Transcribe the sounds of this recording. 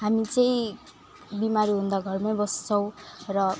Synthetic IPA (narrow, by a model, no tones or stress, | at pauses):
ɦamit͡sʌĩ | bimaɾuɦund̪ʌɡʱʌrmʌjbʌst͡sʰʌw̃rʌ